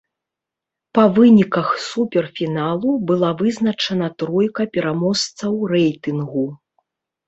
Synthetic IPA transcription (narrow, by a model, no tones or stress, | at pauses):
pɐvɨnʲikɐxsupʲɛrfʲinalˠubɨlˠavɨznɐt͡ʂɐnɐt̪ɾɔjkɐpʲɛɾamɔst̪sɐwɾɛjt̪ɨnɣu